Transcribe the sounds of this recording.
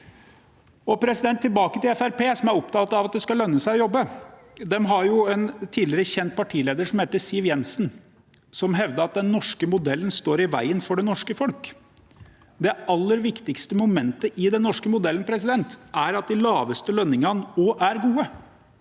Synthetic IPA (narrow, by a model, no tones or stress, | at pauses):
ɔpʰɾɛsɪd̪ɛnt̪ʰːɪlbɑːkət̪ɪlɛfæɾpeːsɔmæɾɔp̚t̪ʰɑːt̪ɑʋɑt̪̚d̪ɛskɑlœnːəsæɪɔjɔbːə | d̪ɛmɦɑɾjʊɛnt̪ʰiːlɪɾəçɛnt̪̚pʰɑʈʰiːleːd̪əʂɔmheːt̪əsɪʋjɛnsn | sɔmɦɛʋd̪əɾɑt̪̚d̪ɛnːɔʂkəmʊd̪ɛlːənst̪oːɾɪʋæ̰ɪənfɔɖɛnɔʂkəfɔlk | d̪ɛɑlːəɾʋɪkt̪ɪkst̪əmʊmɛnt̪əʔɪd̪ɛnːɔʂkəmʊd̪ɛlən̩pʰɾɛsɪd̪ɛnt̪æɾɑt̪̚d̪ɪlɑːʋəst̪əlœnːɪŋɑnoʔæɾɡuːə